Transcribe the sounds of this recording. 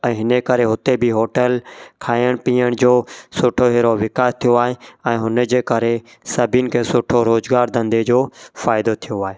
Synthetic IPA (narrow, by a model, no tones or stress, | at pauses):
ɛ̃ːɦɪneːkəɾeːɦʊt̪eːbʱiːɦoːʈəlkʰaːjəɽ̃piːəɳ̃d͡ʒoːsʊʈʰoːɦeːɾoːʋɪkaːt̪ʰɪjoːaːɦeːɛ̃ːɦʊned͡ʒeːkəɾe | səbinkʰeːsʊʈʰoːɾoːzɡaːɾd̪ə̃nd̪eːd͡ʒoːfaːɪd̪ot̪ʰɪjoaːɦeː